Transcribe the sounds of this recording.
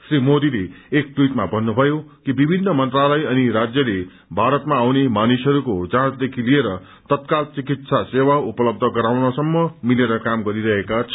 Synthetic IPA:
srimod̪ileːk̚ʈwiʈmabʱʌnːubʱʌjokibibʱinːʌmʌnt̪ralʌjʌniɾad͡zjʌle | bʱaɾʌt̪maːwnemanisɦʌɾukod͡zãt͡sd̪ekʰilieɾʌ | t̪ʌt̪kalt͡sikit̪sasewaupʌlʌb̚d̪ʱʌɡʌɾawnʌsʌmːʌmileɾʌkamɡʌɾiɾʌɦekat͡sʰʌ̥

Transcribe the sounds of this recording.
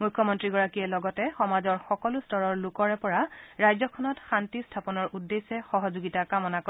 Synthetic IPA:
mujkʰːɔmɔntɹiɡɔɹakijɛlɔɡɔtɛxɔmazɔɹxɔkɔlustɔɹɔɹlukɔɹɛpɔɹaɹajzɔkʰɔnɔtxantistʰapɔnɔɹudːesɛxɔɦɔzuɡitakamɔnako

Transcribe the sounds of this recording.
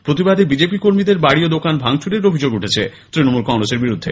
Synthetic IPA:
pɾot̪ibad̪ebid͡ʑepikoɾmid̪eɾbaɽiod̪okanbʱaŋt͡ɕʰuɾeɾobʱid͡ʑoɡuʈʰet͡ɕʰet̪ɾinomulkɔŋɾoseɾbiɾud̪ʱːḛ

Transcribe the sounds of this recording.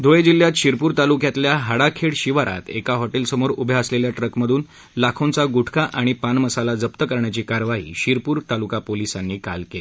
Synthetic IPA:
d̪ʱojed͡ʑil̤ːjat̪ɕiɾpuːɾt̪alukjat̪ljaɦaɽakʰeɽɕiʋaɾa̰t̪ḛkaɦɔʈelsəmoɾubʱjaəsleljaʈɾəkməd̪ʱuːn | lakʰõnt͡saɡuʈʰkaʔaɽ̃ipanməsalad͡zəpt̪əkəɾɳjat͡ɕiːkaɾʋaɦḭːɕiɾpuːɾt̪alukapolisanːiːka̰lkele

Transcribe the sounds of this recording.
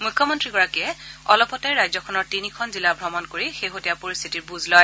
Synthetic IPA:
mujkʰːɔmɔntɹiɡɔɹakiɛɔlɔpɔtajɹajzɔkʰɔnɔɹtinikʰɔnzilabʱɹɔmɔnkoɹixeɦotijapoɹist̪ʰitiɹbuzlɔj

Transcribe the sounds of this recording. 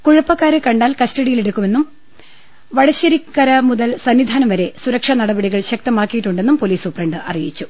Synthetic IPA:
kuɻɐpːɐkːaːɾekɐɳɖaːlkɐstɐɽijileɽukːume̞nːum | ʋɐɻɐɕɐɾikːɐɾɐmuðɐlsɐnːid̪ʱaːnɐmʋɐɾe̞suɾɐkʂɐnɐɽɐbɐɽiɣɐɭɕɐk̚t̪ɐmaːkːijiʈːuɳɖe̞nːumpo̞ːliːsopreɳɖɨʔɐ̰rijit͡ɕːu

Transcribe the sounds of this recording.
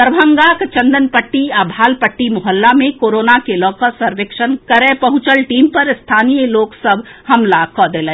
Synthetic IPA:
əɾbʱə̃ŋɡaːkt͡ʃɐ̃nd̪ənpəʈːiaːbʱaːlpəʈːimʊɦəlːamẽkoːɾoːnakelɔːkəsɐɾʋekʃənkɐɾẽːpɐɦʊ̃t͡ʃəlʈiːmpɐɾst̪ʰaːnijəloːɡsɐbhɐmlakɔːd̪ele

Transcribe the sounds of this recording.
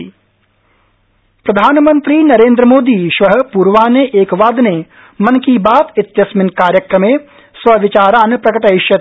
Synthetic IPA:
pɾɐd̪ʱaːnmə̃nt̪ɾiːnɐɾẽːnd̪ɾəmoːd̪iːʃʋɐɦəpuːɾʋaːneʔeːkʋaːd̪ne | mɐnkibaːt̪ɪt̪jɐsmɪnkaːɾjɐkɾɐmẽː | sʋɐʋɪt͡ʃaːɾaːnpɾɐkəʈɐɦɪʃjɐ

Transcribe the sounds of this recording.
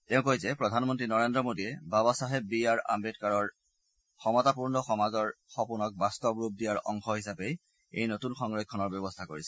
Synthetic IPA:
tɛʊ̃kojzɛpɹɔdʱanmɔntɹinɔɹendɹɔmodijɛbabasaɦɛbiaɹa̰mbetkaɹɔɹ | xɔmɔtapuɹnɔxɔmazɔɹxɔpunɔk̚bastɔbɹup̚dijaɹɔ̰ŋxɔɦisapej | ḛjnotunxɔŋɹɔkʰːɔnɔɹbjɔbɔstʰakoɹisɛ̥

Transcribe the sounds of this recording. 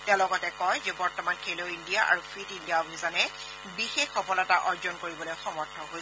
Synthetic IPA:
tɛʊ̃lɔɡɔtɛkɔjzɛbɔɹtɔmankʰeloindijaʔa̰ɹufʰɹitindijabizanɛ | bixexɔpɔlɛtaʔɔɹzɔnkoɹibɔlojxɔmɔɹtʰːɔɦoj

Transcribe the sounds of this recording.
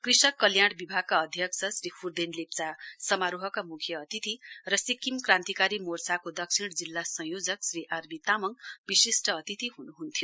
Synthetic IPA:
krisʌkːʌljaɽ̃bibʱaɡ̚kaʌd̪ʱjʌksʰʌsɾipʰurd̪enlept͡sasʌmaɾuɦʌkamukʰjʌːt̪it̪irʌsikːimkrãnt̪ikaɾimorsakod̪ʌksʰiɽ̃d͡zilːasʌ̃ɦjod͡zʌksriʔarbit̪amʌŋbisisʈʌʌt̪it̪iɦunuɦunt̪ʰijo

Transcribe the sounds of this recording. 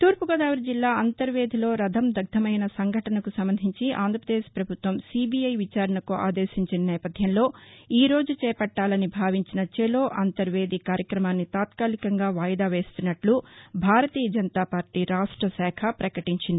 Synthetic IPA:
t̪uːɾpuɡɐd̪aːʋɐɾd͡ʒilːaːɐnt̪ɐɾʋeːd̪ʱilo̞ːɾɐd̪ʱɐmd̪ʱɐɡ̚d̪ʱɐmɐjnɐsɐŋɡʱɐʈɐnɐkusɐmbɐnd̪ʱiɲt͡ʃiʔa̰ːnd̪ʱɾɐpɾɐd̪eːʃpɾɐbʱut̪ʋɐmsibijɐjʋit͡ʃaːɾɐɳɐkuʔa̰ːd̪eːʃiɲt͡ʃinɐnɛːpɐd̪ʱjɐmlo̞ːiːɾo̞ːd͡ʒut͡ʃɛːpɐʈːaːlɐnibʱaːʋiɲt͡ʃinɐt͡ʃɛlo̞ːʔɐnt̪ɐɾʋe̞ːd̪ʱikaːɾjɐkɾɐmaːnːit̪aːt̪kaːlikɐŋɡaːʋaːjɐd̪aːʋe̞ːst̪unːɐʈlubʱaːɾɐt̪iːjɐd͡ʒɐnɐt̪aːpaːɾʈiːɾaːʂʈɾɐsɛːkʰɐpɾɐkɐʈiɲt͡ʃind̪i

